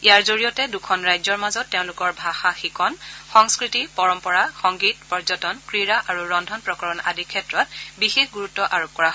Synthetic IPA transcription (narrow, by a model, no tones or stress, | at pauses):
ijaɹzoɹijɔtɛdukʰɔnɹajzɔɹmazɔtːeʊ̃lʊkɔɹbʱaxaxikʰɔnxɔŋskɹitipɔɹɔmpɔɹaxɔŋɡitpɔɹzɔtɔnkɹiɹaʔaɹuɹɔndʱɔnpɹɔkɔɹɔna̰dikʰːɛtɹɔt̚bixexɡuɹutːɔʔaɹop̚kɔɹaɦɔ